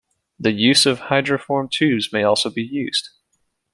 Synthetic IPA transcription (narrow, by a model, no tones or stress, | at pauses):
ðɨjʉzʌv̥haɪdɹɨfɔɹmtʰʉzmeɪɔlˠsoʊbijʉz̥d̥